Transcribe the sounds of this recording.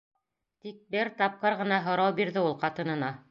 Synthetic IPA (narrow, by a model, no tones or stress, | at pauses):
t̪ik̚bɘɾt̪ɑp̚qɤɾʁɤ̆nɑɦŏɾɑwbiɾðɘulˠqɑt̪ɤ̆nɤ̆nɑ